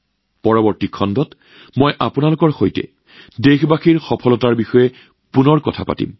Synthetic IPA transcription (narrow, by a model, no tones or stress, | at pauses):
pɔɹɔbɔɹtikʰːɔndɔt | mojʔapunalʊkɔɹxojtɛ̰ | dexbaxiɹxɔpʰɔlɔtaɹbixɔjɛ | punɔɹkɔ̰tʰa̰pa̰tḭm